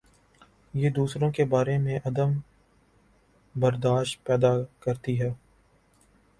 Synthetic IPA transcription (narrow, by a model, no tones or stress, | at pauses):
jeːd̪uːsɾõkebaːɾemẽʔɐd̪əm | bɐɾd̪aːʃt̪̚pɛːd̪akɐɾt̪iɦɛː